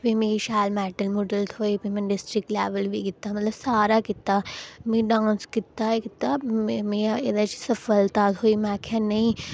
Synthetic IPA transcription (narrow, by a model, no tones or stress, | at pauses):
pĩmẽkiʃaːlmɛːʈəlmoɖəlt̪ʰoːipimɛ̃nɖɪsʈɾɪkleːʋəlbʱikɪt̪ːamɐt̪ləbsaːɾakɪt̪ːamĩɖãːnskɪt̪ːakɪt̪ːamiaed̪at͡ʃʰi̥sɐfəlt̪at̪ʰɦoːimãːkʰãnɐĩ